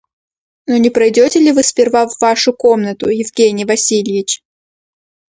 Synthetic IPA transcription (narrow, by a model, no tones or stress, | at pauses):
nonʲɪpɾɐjdʲotʲɪlʲɪvɨspʲɪrvavːaʂʊko̞mnət̪ʊjɪvɡʲenʲɪjvɐsʲilʲjɪt͡ɕ